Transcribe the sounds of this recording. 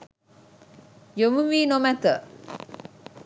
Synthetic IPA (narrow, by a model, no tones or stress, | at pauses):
jomuʋiːnomæt̪ə